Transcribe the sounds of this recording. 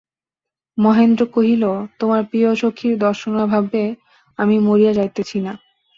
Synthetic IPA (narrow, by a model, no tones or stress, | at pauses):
mɔɦend̪ɾokoɦilot̪omaɾpioʃokʰːiɾd̪ɔɾʃonobʱabe | amimoɾijad͡ʑajt̪et͡ɕʰina